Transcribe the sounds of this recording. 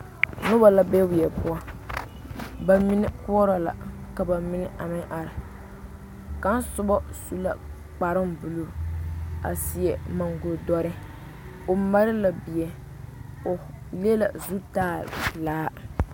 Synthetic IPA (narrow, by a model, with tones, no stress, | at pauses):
nʊ˦ba˨la˦bɛ˦wi˨ɛ˨pu˦a˦ | ba˨mi˦nɪ˦ku˦ɔ˦ɾa˨la̰˨ka˨ba˨mɪ˦nɪ˦ʔa˨mɪ˦ʔa˨ɾɪ˨ | ka˦n˦sʊ˦bɔ˦su˦la̰˨ | k͡pa˨ɾɪ˦mbu˨lu˦˨a̰˨si˨ɛ˨ma˨ŋɡo˨dɔ˦ɾɪ˦ | o˨ma˦ɾɪ˦la˨bi˨ɛ˨ | o˨ | le˦la̰˨zu˦taː˦˨laː˦